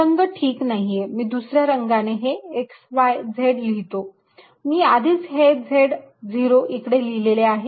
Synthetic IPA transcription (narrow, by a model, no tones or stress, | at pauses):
əŋɡəʈʰiːknaɦijemiːd̪usɾjaɾəŋɡaneɦeːksʋajd͡zʱeɽlit̪o | miːad̪ʱiːt͡sɦed͡zʱeɽd͡ziɾoʔikɽelileleaɦe